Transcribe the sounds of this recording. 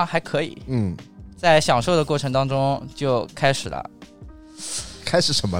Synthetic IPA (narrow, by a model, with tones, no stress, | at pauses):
xa˧˥ɪkʰɤ˧˥ḭ˨˩˦n̩˥˩t͡sa˥˩ɪɕjɑ˨˩ŋʂo˥˩ʊd̪ə˩kwɔ˥˩ʈ͡ʂʰɤ˧˥ŋt̪ɑ˥ŋʈ͡ʂʊ˥ŋt͡ɕjo˥˩ʊkʰa˥ɪʂɻ̩˨˩lə̰˦ | kʰa˥ɪʂɻ̩˨˧˥ʂə˧˥nmə˧